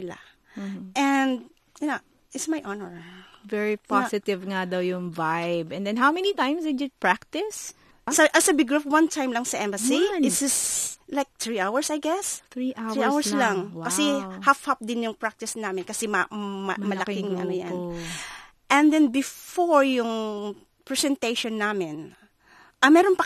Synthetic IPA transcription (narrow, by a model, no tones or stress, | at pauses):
ɪla̰ | ʔɛnd̪ | jna | ɪt̪smajʔɔnɛɹvɛɹipasɪt̪ɪvŋad̪awjʊŋvajbɛ̃nd̪ɛ̃nɦawmɛnit̪ãj̃msd̪ɪdjupɹak̚t̪ɪs | sʔɐsɐbɪɡɹofwɐ̃nt̪ʰãjmlɐŋsɐʔɛ̃mbɐsiɪɪslajk̚θɹiʔawɐɹsajɡɛsθɹiʔaɹiawɐɹsslaŋkɐsɛhafhap̚d̪ɪnjʊŋpɹak̚t̪ɪsnaːmɪnkɐsɛmɐmɐmɐlɐɪŋʔɐ̰noja̰n | ʔɛ̃nd̪ɛnbɪfoɹjʊŋ | pɹɛsɛnt̪ejʃonːaːmɪn | ʔɐmɛːɾonpɐ